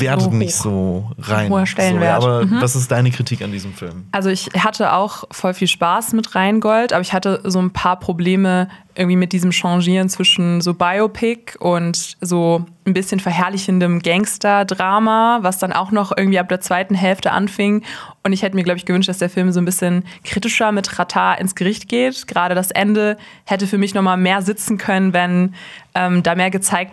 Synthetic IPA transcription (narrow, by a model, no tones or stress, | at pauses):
veːɐtətnɪçtz̥oːʁa̰ɪnoːɐʃtɛlənveːɐaːbɐm̩ɦ̩d̥asɪs̬t̚d̥aɪnəkʁ̥itʰiːkandiːzəmfɪ̰lmʔalzoɪçhatʰəʔa̰ʊxfɔlfiːlʃpaːsmɪtʁaɪnɡɔltʔaːbɐɪçhatəzoːnpʰaːɐpʁ̥obleːməʔɪɐɡŋ̩tv̥iːmɪt̚d̥iːzəmʃɑ̃ʒiːʁənt͡sv̥ɪʃn̩zoːbaɪopʰɪkʔʊntzoː | n̩bɪsçənfɛɐɦɛɐlɪçndəmɡɛŋstɐdʁaːmavasd̥anʔa̰ʊxnɔχʔɪɐɡŋ̩tv̥iːap̚d̥eːɐt͡sv̥aɪtn̩ɦɛlftəʔa̰nfɪŋʔʊntɪçhɛtəmiɐɡlaʊbəɪçɡ̥əvʏnʃtd̥asd̥eːɐfɪlmzoːnbɪsçənkʁ̥iːtɪʃɐmɪtʁatʰaːʔɪ̰nsɡ̥əʁɪçt̚ɡ̥eːtɡ̥əʁaːɾədasʔɛndə | hɛtəfyːɐmɪçnɔχmaːlmeːɐzɪt͡sn̩kʰœnənvɛnʔɛːmdaːmeːɐɡət͡saɪk̚t